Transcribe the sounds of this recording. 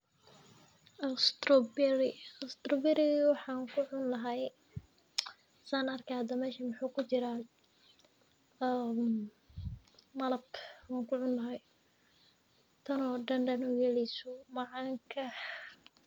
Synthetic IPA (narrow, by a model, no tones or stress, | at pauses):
ʔɐst̪ɾɔbɛɾɪɐst̪ɾɔbɪɾɪwɑħɑːŋkʰʊʕʊnlɐɦɛj | saːnɐrkʰɐhɐd̪ɐmɛːʃɐmɑħuːkʰʊt͡ʃɪɾaː | m | mɐlɐb̚kʰwaːŋkʰʊʕʊnlɐɦɛj | t̪ʰɐnɔːɖɐnɖɐnɔɡɛlɪsʊmɑʕɑːŋkʰɐ